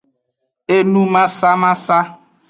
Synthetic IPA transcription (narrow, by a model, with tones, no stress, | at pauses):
e˦nũ˦mã˦sa˦mã˦sa˦